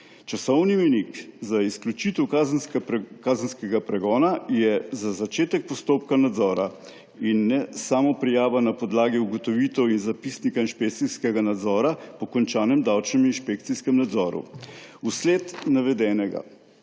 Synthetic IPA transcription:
t͡ʃasɔwniminikzaisklʲjut͡ʃit̪ɛwkazkaːzənskɛɡapɾɛɡɔːnajɛzazat͡ʃeːt̪ɛk̚pɔst̪oːpkanad̪zɔːɾa | inːɛsaːmɔpɾɛjaːʋanapɔd̪laːɡiuɡɔt̪ɔʋit̪ɛwinzapisnikainʃpekt̪siskɛɡanad̪zɔːɾapɔkɔnt͡ʃaːnɛmd̪awt͡ʃnɛminʃpek̚t̪siskɛmnad̪zɔːɾṵusleːt̪naʋɛd̪ɛːnɛɡa̰

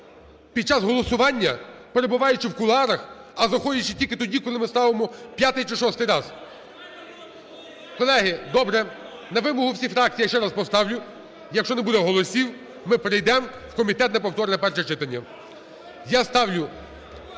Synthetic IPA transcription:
pʲid̪̚t͡ʃɑzɦɔlˠɔsʊʋɑnʲːɐpeɾebʊʋɑjʊt͡ʃɪwkʊlˠɑɾɐx | ɐzɐxɔjʲɐt͡ʃɪtʲilʲkɪt̪ɔdʲikɔlˠɪmɪst̪ɑʋemɔpʲjat̪ɪjt͡ʃɪʃɔst̪ɪjɾɑz | kɔlˠɛɦɪd̪ɔbɾɛ | nɐʋɪmɔɦʊwsʲifɾɑk̚t͡sʲijʃt͡ʃɛɾaspɔst̪ɑwlʲʊ | jɐkʃt͡ʃɔnebud̪ɛɦɔlˠɔsʲiw | mɪpɾejd̪ɛm | wkɔmʲit̪ɛt̪nɐpɔwt̪ɔɾɪnɐpɛrʃɛt͡ʃɪt̪ɐnʲːɐ | jast̪ɑwlʲʊ

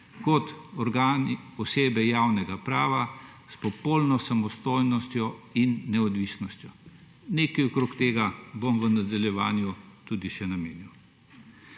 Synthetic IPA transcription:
kɔt̪ɔɾɡaːniɔseːbɛjaːwnɛɡapɾaːʋa | spɔpolnɔsamɔst̪ojnɔst̪jɔinːɛɔd̪ʋisnɔst̪jɔ | neːkɛɔkɾoːkt̪eːɡabomʋənad̪aljɛʋaːnjut̪ud̪iʃɛnameːniw

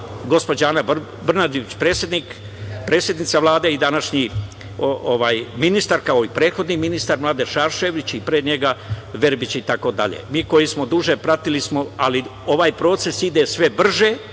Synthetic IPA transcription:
ɡo̞spod͡ʑaːna | brnad̪oʋit͡ɕpɾeːsjed̪niːk | pɾe̞ːsjed̪nit̪saʋlˠaːd̪e̞id̪anaʃɲi | ooʋaːjminist̪aɾkao̞ipɾeːt̪xo̞d̪niminist̪aɾmlˠaːd̪eʃaːɾʃeʋit͡ɕipɾeːd̪ɲeɡaʋe̞ɾbit͡ɕit̪ako̞d̪a̰ʎḛmiːko̞jismo̞d̪uʒe̞pɾat̪ilismo̞alio̞ʋaːjpɾo̞ːt̪se̞sid̪e̞sʋe̞br̩ʒe̞

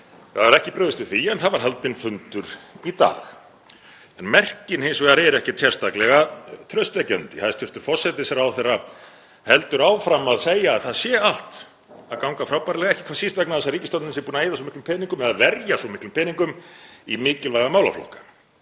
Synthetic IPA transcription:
avaɾɛhcɪpɾœːðɪst̪ɪθiɛnθaðvaɾ̥ɦɛlt̪ɪnfʏnt̪ʏɾ̥it̪a̰ːx | ɛnmɛr̥cɪnhensɔaɾɛɾɛhcɪt̪ʰjɛr̥st̪aklɛɣat̪ʰɾœɥst̪vɛcœ̰nt̪ɪθaðɛɾ̥t̪ʰʏr̥t̪ʏɾ̥fɔ̥sɛt̪ɪsɛɾawθɛra | hɛlt̪ʏɾaːwfɾamaðseːjaːðθaðsjɛal̥t̪ | aðkawŋkafɾaːwpaɾlɛɣaɛhcɪ̥kʰvaːsist̪vɛk̚naðɛs̬ariːcɪst̪ɔnnɪnsɛpuːnaeːjðas̬ɔmɪhklmpʰɛniŋkʏmɛðaðvɛɾjasvɔmɪhklʏmpʰɪniŋkʏmimɪːcɪlvajɣamaːwla̰flɔ̰hkḁ

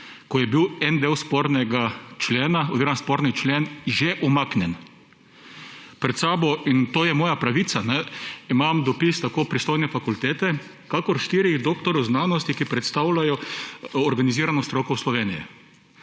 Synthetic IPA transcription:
kɔjɛbiwɛnd̪ewspɔɾnɛɡat͡ʃleːnaɔzviɾɔmnaspɔːɾnit͡ʃlenʒɛʔɔmaknʲjɛn | pɾɛt̪saːbɔint̪oːjɛmɔːjapɾaʋit̪sanɛimamd̪ɔpist̪akoːpɾist̪oːjnɛfakult̪eːt̪ɛ | kakɔɾʃt̪iːɾiɣd̪oːkt̪ɔɾɔwznaːnɔst̪ikipɾɛt̪st̪awlajɔɔɾɡaniziːɾanɔst̪ɾokɔwslɔʋeːnijɛ̰

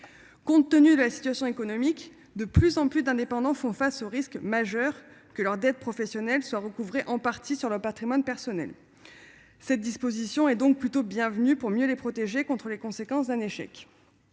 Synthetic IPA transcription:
kɔ̃t̪ːənyd̪əlasi̥t̪ɥasjɔ̃ekɔnɔmik | d̪əplyzɑ̃plysd̪ɛ̃d̪epɑ̃d̪ɑ̃fɔ̃fasoʁiskmaʒœʁkəlœʁd̪ɛt̪̚pχɔfɛsjɔnɛlswaʁəkuvʁeʔɑ̃paʁt̪isyʁlœʁpat̪χimwanpɛʁsɔnɛ̰l | sɛt̪̚d̪ispozisjɔ̃ɛd̪ɔ̃k̚plyt̪objɛ̃vnypuʁmjølepχɔt̪eʒekɔ̃t̪χəlekɔ̃sekɑ̃sd̪ɛ̃neʃɛ̰k

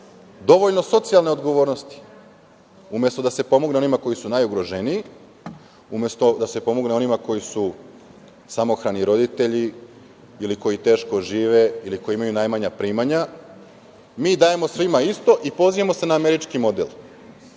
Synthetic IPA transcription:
d̪o̞ʋoʎno̞so̞t̪sijalˠne̞o̞d̪ɡo̞ʋo̞ːɾno̞st̪i̥ | umje̞st̪o̞d̪ase̞po̞moɡne̞o̞nimako̞jisunajuɡɾo̞ʒenii | umjest̪o̞d̪ase̞po̞moɡne̞o̞nimako̞jisu | samo̞xɾaniɾo̞d̪it̪e̞ʎi | iliko̞jit̪e̞ːʃko̞ʒiːʋeiliko̞jiimajunajmaɲapɾiːmaɲa | miːd̪aːjemosʋimaist̪o̞ʔipo̞ziʋamo̞se̞naːme̞ɾit͡ʃkimo̞d̪ḛl

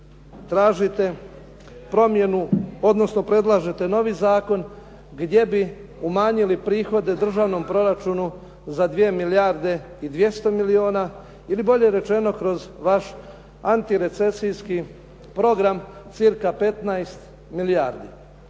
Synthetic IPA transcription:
t̪ɾaːʒit̪e̞ | pɾo̞mje̞nuo̞d̪no̞sno̞pɾe̞d̪lˠaʒet̪e̞no̞ʋizaːko̞n | ɡd̪je̞bi | umaːɲilipɾiːxo̞d̪e̞d̪r̩ʒaʋno̞mpɾo̞ɾat͡ʃunu | zad̪ʋie̞milijaɾd̪e̞ | id̪ʋje̞st̪o̞milio̞ːna | ilibo̞ʎe̞ɾe̞t͡ʃe̞no̞kɾo̞zʋaʃ | ant̪iɾe̞t̪se̞sijski | pɾo̞ɡɾamt̪siɾkape̞t̪najst̪ | miliaːɾd̪i

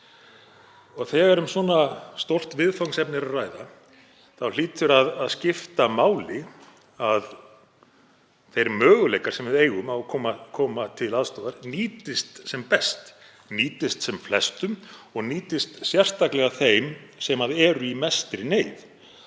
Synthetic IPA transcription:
ɔɣθɛɣɛɾʏmsɔːnast̪owl̥t̪vɪðfowŋsɛpnɪɾaðraːjða | θawl̥iːt̪ʏɾaðaðscɪft̪amaːwlɪ | að | θejɾmœːɣʏlejkaɾ̥sɛmvɪðeːjɣʏmawkʰɔːmakʰɔːmat̪ʰɪlaðst̪oːðaɾniːt̪ɪst̪sɛmpɛst̪ | niːt̪ɪst̪sɛmflɛst̪ʏmɔɣniːt̪ɪst̪sjɛr̥t̪aklɛɣaθejmsɛmaðɛːɾʏimɛst̪ɾɪneːjð

